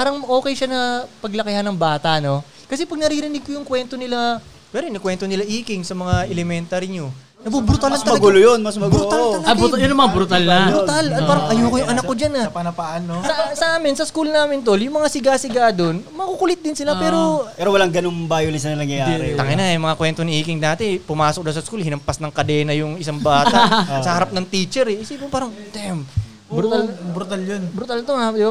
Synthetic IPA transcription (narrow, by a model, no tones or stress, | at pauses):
paːɾɐŋʔo̞ːkɛjʃanɐpɐɡlɐkɪhanɐŋbaːt̪ɐʔno̞ | kɐsɛpɐɡ̚nɐɾiɾɪnɪɡ̚kojʊŋkwɛnt̪o̞nɪla | pɛːɾoɪnɐkwɛnt̪onɪlaʔiːkɪŋsɐmɐŋaʔɛlɛmɛnt̪ɐɾɪɲo | ɐbubɾut̪almɐɐmɐɡulojonmɐsmɐɡbɾuaɐbujʊnɐmɐŋabɾʊt̪alnɐʊt̪alɐtpaːɾɐʔɐjoːkojʊŋʔɐnakːod͡ʒanɐpɐnɐpaʔɐnosɐsɐʔaːmɪnsɐskulnaːmɪnt̪̬oljʊŋmɐŋasɪɡasɪɡaːd̪o̞nmɐkukʊlɪt̪̚d̪ɪnsɪlapɛːɾo̞ɛːɾowɐlaŋɡɐnoŋbaːjolɪnsɐnɐnɐŋjɐjaɾɛ̰t̪ɐkɐjnɐɛmɐŋakwɛnt̪onɐʔiːkɪŋnaːt̪ɪpʊmaːsok̚d̪ɐsɐskulhɪnɐmpɐsnɐŋkɐd̪ɛːnɐjʊŋɪsaŋbaːt̪asɐhɐɾap̚nɐŋt̪iːt͡ʃɛɾɛɪsibopaːɾɐŋt̪ɛm | bɾt̪albɾut̪aljonbɾut̪alt̪oad̪ɪba